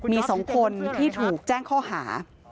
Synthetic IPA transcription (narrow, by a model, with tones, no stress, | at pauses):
miː˧sɔ˩˦ŋkʰo˧nt̪ʰiː˥˩t̪ʰuː˨˩k̚t͡ɕɛː˥˩ŋkʰɔː˥˩ɦaː˩˦